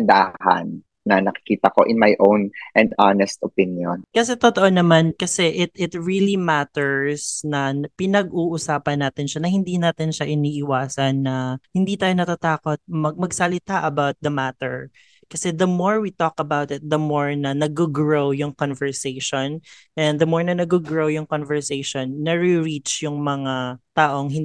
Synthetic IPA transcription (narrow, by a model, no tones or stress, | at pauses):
nd̪a̰hɐ̰nː | ɐnɐkɪ̥kiːt̪ɐko̰ʔɪnmajʔownʔɛ̃nd̪ʔanɛst̪ʔopɪnjonkɐsɛt̪ot̪oʔonɐmankɐsɛʔɪt̪̚ɪt̪ɹilimat̪ɛɹsnɐpɪnɐɡʔuːʔʊsaːpɐnːaːt̪ɪnʃanɐhɪnd̪iːnaːt̪ɪnʃaʔɪniːʔɪwaːsɐnːɐhɪnd̪iːt̪aːjo̞nɐt̪at̪aːkot̪̚mɐɡ̚mɐɡsɐlɪt̪aʔɐbawt̪̚d̪ɐmat̪ɛɹ | kɐsɛd̪ɐmoɹwit̪ɔkɐbawt̪ɪt̪̚d̪ɐmoɹnɐnɐɡoɡɹowjʊŋkɔnvɛɹsejʃonʔɛ̃nd̪d̪ɐmoɹnɐnɐɡʊɡɹowjʊŋkonvɛɹsejʃonːɐɹɪɹit͡ʃjʊŋmɐŋat̪aːʔo̞ŋhɪn